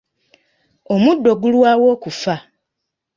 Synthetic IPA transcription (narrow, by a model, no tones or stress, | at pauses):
omudːo̞ɡulwaːwoːkufa